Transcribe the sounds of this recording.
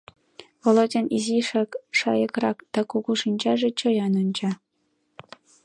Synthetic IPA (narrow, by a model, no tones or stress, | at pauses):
volˠodʲeniziʃɑkʃɑjɤkrɑkd̪̥ɑkuɣuʃinʲt͡ɕɑʒĕt͡ɕɤ̆jɑnonʲt͡ɕɑ